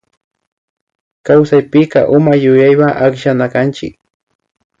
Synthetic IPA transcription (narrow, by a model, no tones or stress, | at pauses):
kawsajpɪkɑ̰ʔʊmajʊjajwaʔakʃanakant͡ʃɪ̰k